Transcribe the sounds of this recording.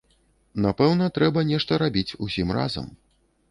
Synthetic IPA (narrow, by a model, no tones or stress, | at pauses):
napɛwnɐt̪ɾɛbɐnʲɛʂt̪ɐɾabʲit͡sʲusʲimra̰zɐ̰m